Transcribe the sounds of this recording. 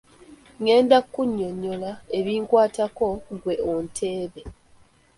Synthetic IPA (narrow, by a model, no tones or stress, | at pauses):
ŋe̞ːndakːuɲːo̞ɲːolae̞βiːŋkwaːtako̞ŋɡwe̞ontʰe̞ːβe̞